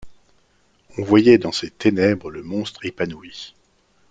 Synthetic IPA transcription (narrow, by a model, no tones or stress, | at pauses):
ɔ̃vwajɛd̪ɑ̃set̪enɛbʁələmɔ̃st̪χepanui